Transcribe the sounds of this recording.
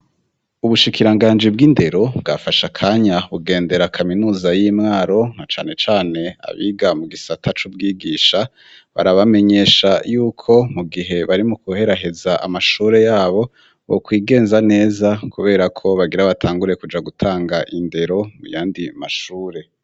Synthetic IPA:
uβuʃikʰiɾaŋɡaːnd͡ʒib̚ɡiːnde̞ɾo̞bɡafaʃakʰaːɲaβuɡe̞ːnde̞ɾakʰaminuːzajiːmŋaːɾo̞nat͡ʃa̰ːne̞t͡ʃaːne̞a̰βḭːɡamuɡisatʰat͡ʃub̚ɡiːɡiːʃa | βa̰ɾaβame̞ɲe̞ʃajuːkʰo̞muɡiɦe̞βaɾimukuhe̞ɾaɦe̞zaʔa̰maʃuːɾe̞jaːβo̞ | βokwiːɡe̞ːnzane̞ːzakuβe̞ːɾakʰo̞βaɡiɾaβatʰaːŋɡuɾe̞kud͡ʒaɡutʰaːŋɡaʔinde̞ɾo̞mṵjaːndima̰ʃuːɾe̞

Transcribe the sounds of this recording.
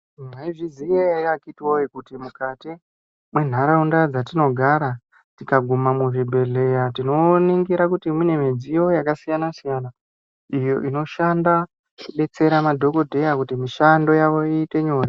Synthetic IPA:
maiʐizijekakitiwojekutimukati | mwe̞n̤aɾaundad͡zatino̞ɡʱaɾa | tikaɡʱumamuʐibʱe̞ɮe̞jatino̞niŋɡiɾakutimine̞mid͡zijo̞jakasijanasijana | ijo̞ʔino̞ʃanda | kuɓe̞t͡se̞ɾamadʱo̞ko̞dʱe̞jakutimiʃando̞jaʋo̞iːte̞ɲo̞ːri

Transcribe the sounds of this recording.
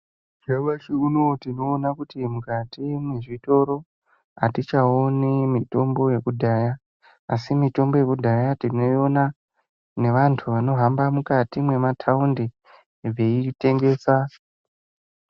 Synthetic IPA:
d͡ʒaɓat͡ʃiuno̞tino̞ːnakutimukatimweʐito̞ɾo̞ | ɦa̰tit͡ʃaonemito̞mbo̞je̞kudʱaːjaː | simito̞mbo̞je̞kudʱajatino̞jo̞na | ne̞ʋantʰuʋano̞ɦambamukatimwe̞matʰaundi | veite̞ŋɡe̞ːsa

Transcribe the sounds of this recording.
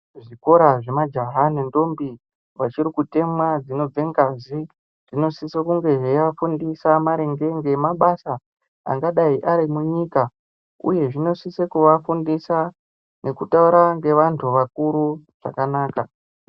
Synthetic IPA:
ʐiko̞ɾaʐe̞mad͡ʒaɦane̞ndo̞mbi | wat͡ʃiɾikute̞mwad͡zino̞b͡ve̞ŋɡazi | d͡zino̞sisekuŋɡe̞ʐejafundisamaɾeŋɡe̞ŋɡe̞maɓasa | a̰ŋɡaɗaiʔaɾimuɲiːka | ṵje̞ʐino̞sisekuʋafundisa | ne̞kutauɾaŋɡe̞ʋantʰuʋakuɾuʐ̥a̰kanaːka

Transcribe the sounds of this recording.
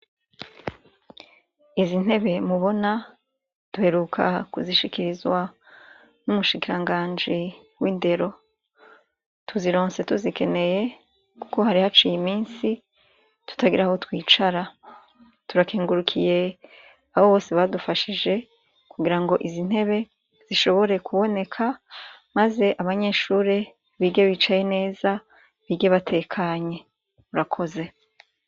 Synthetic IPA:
izin̥he̞βe̞muβo̞na | d̥uhe̞ɾukʰa̰kuziʃikiɾizwa | numuʃikiɾaŋɡaːnd͡ʒi | winde̞ɾo̞ | tʰuziɾo̞ːnse̞tuzike̞ne̞je̞ | ku̥ko̞haɾihat͡ʃijimiːnsi | tu̥taɡiɾaho̞twiːt͡ʃaɾa | tuɾakiːŋɡuɾukʰije̞ | ahoβo̞ːsiβadufaʃid͡ʒe̞ | kuɡiɾaŋɡo̞ʔizin̥he̞βe̞ | z̥iʃo̞βo̞ɾe̞kuβo̞ne̞kʰamaze̞ʔaβaɲe̞ːʃuːɾe | βiɡɟeβiːt͡ʃaje̞ne̞ːza | βiɡeβatʰe̞ːkʰaɲe̞ | uɾakʰo̞ze̞

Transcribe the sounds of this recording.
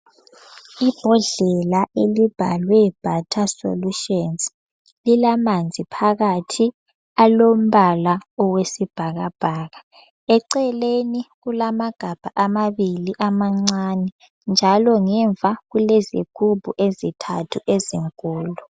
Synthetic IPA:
ib̥ʱɔɮɛlaʔelib̥ʱa̰lwɛb̥ʱatʰaso̰luʃɔns | lilamand͡zʱipʰaɣatʰi | alom̩βalaɔwesib̥ʱaɣab̥ʱaːɣa | ɛǀɛleniɣulamaɡ̥ʱab̥ʱaʔamaβiliʔamaŋ͡ǀanɛ | nd͡ʒʱalɔŋɛɱvʱaɣuleziɡ̥ʱub̥ʱuʔezitʰa̰tʰuʔeziŋkʼuːlu

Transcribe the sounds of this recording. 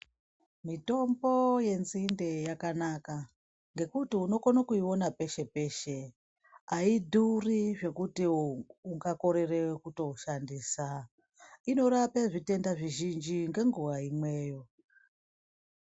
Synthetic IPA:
mito̞mbo̞je̞nzinde̞jakanaka | ŋɡe̞kutiuno̞konakuiwo̞nape̞ʃe̞pe̞ːʃe̞ | aidʱuriʐe̞kutiuŋɡako̞ɾe̞re̞wekuto̞ʃandiːsa | ino̞ɾapeʐite̞ndaʐiʒind͡ʒiŋɡe̞ŋɡuʋaimwe̞ːjo̞

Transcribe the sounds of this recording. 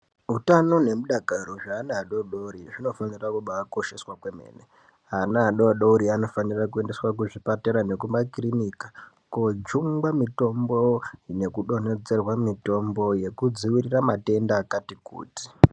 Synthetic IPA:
ɦutano̞ne̞muɗakaɾoʐaːnaɗoɗouɾiʐino̞fanirakuɓaːko̞ʃe̞swakwe̞me̞̰ːne | ɦanaːɗoɗouɾiano̞fanirakue̞nde̞swakuʐipateɾane̞kumbakriniːkḁ | kod͡ʒuŋɡamito̞mbo̞ne̞kuɗone̞d͡ze̞rwamito̞mbo̞je̞kud͡ziwiriramate̞ndaːkatikṵːti̥

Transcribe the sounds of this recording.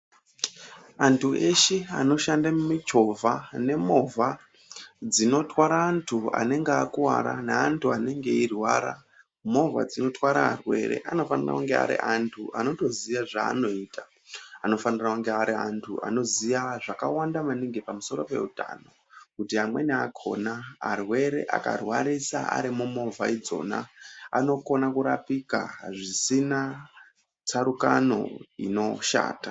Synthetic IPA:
antʰue̞ʃea̰no̞ʃandamumit͡ʃo̞vʱane̞mo̞vʱa | d͡zino̞twaɾaːntʰua̰ne̞ŋɡeakuwa̰ɾa̰naantʰuane̞ŋɡe̞irwaːɾa | mo̞va̰d͡zino̞twaɾaa̰rwe̞̰ɾḛʔano̞fanira̰uŋɡea̰ɾḭʔantʰuʔano̞to̞ziʋaʐa̰ːno̞iːtʰa | ano̞fanirauŋɡeaɾiantʰua̰no̞ziaʐakawandamaniŋɡepamuso̞ɾo̞pe̞̰uta̰no̞ | kutiɦamwe̞niakʰo̞̰na̰ːrwe̞ɾe̞̰ʔa̰karwaɾisa̰a̰ɾimumo̞vaid͡zo̞̰ːna̰ano̞ko̞nakuɾapika̰ʐisina | t͡sʰaɾukano̞̰ino̞ʃa̰ːta

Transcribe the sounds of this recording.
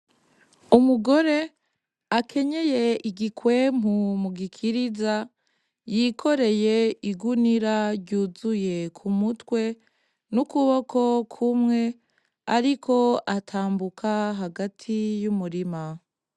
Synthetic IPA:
umuɡo̞ɾe̞ | akʰe̞ɲe̞je̞iɡikwe̞m̥umuɡikʰiɾiza | jikʰo̞ɾe̞je̞iɡuniɾaɟuzuje̞kʰumutwe̞ | nukuβokʰo̞kʰumŋe̞ | aɾikʰo̞atʰaːmbukʰaɦaɡatʰijumuɾima

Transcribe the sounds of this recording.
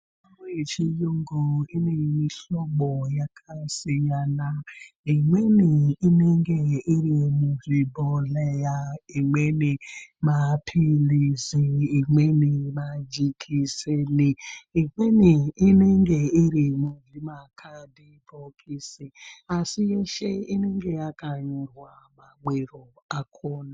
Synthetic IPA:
amet͡ʃijoŋ̩ɡoinemiɬɔɡ͡bɔjakʰasiɲanaiŋʷweniineŋɡeiɾimuvibɔlejaiŋʷenimapʰiliziiŋʷenimad͡ʒikʰiseliiŋʷeniineŋ̩ɡeiɾimuviɾimakʰadibɔkʰisiasijeʃeineŋɡejakaɲiɾamaɡ͡beɾɔ | akʰɔna

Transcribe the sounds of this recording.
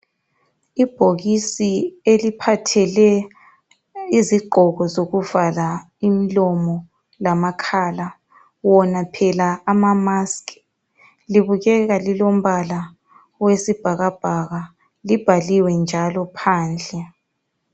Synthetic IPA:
ib̥ʱoɣisielipʰatʰɛlɛ | iziɡ͡ǃʱɔɣɔzoɣuvala | imilɔmɔ | lamakʰaːla | wɔnapʰɛlaːmamask | liβuɣɛɣalilom̩βala | wesib̥ʱaɣab̥ʱaɣa | lib̥ʱaliwɛnd͡ʒʱalɔpʰaːnd͡ɮʱɛ

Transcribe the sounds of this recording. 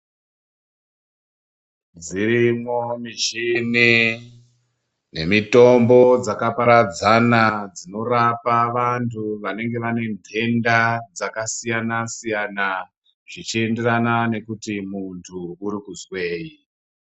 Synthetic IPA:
d͡ziɾimomiʒimi | ne̞mito̞mbo̞d͡zakapaɾad͡zanad͡zino̞rapaʋantuʋane̞ŋɡe̞ʋane̞mbʱe̞ndad͡zakasijanasijana | ʐ̥it͡ʃie̞nde̞ranane̞kutimuntʰuːɾikuzwe̞ːji

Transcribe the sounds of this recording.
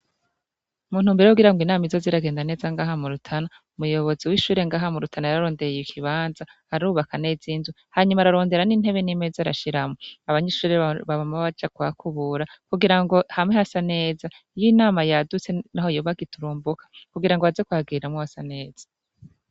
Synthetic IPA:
umuːn̥huːmbiɾeuɡiɾaŋɡwinaːmizo̞ziɾaɡe̞ːndane̞ːzaŋɡaːɦamuɾutʰana | umujo̞βo̞ziwiːʃuːɾe̞ŋɡaːɦamuɾutʰanajaɾaɾo̞ːndeɾjikʰiβaːnzahaɾaɾuːβakane̞ziːnzu | haːɲumaɾaɾo̞ːnde̞ɾanin̥he̞βenimezaɾa̰ʃiɾamoaβaɲeʃuːɾeβaβamaβaβad͡ʒakwakʰuβuɾakuɡiɾaŋɡo̞hamŋehasane̞ːza | ijinaːmajadut͡se̞naho̞joːβaɡituɾuːmbukʰḁkuɡiɾaŋɡoazekwaɡiɾamŋuhasaneːz̥ḁ

